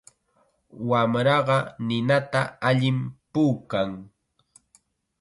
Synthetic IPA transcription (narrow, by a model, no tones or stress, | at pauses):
wamɾɑɢɑnɪnat̪aaʎɪmpuːkaŋ